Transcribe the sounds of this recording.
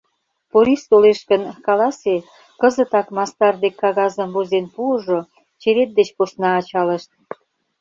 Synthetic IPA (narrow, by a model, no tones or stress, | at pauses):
poɾist̪oleʃkənkɑlɑse | kəzə̆t̪ɑkmɑst̪ɑrd̪ekːɑɣɑzəmβozenpuəʒo | t͡ɕeɾet̪̚d̪et͡ɕposnɑːt͡ɕɑlə̆ʃt̪̚